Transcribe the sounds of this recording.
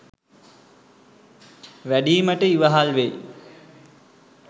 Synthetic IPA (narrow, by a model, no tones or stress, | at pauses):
ʋæɖiːməʈəiʋəɦalʋej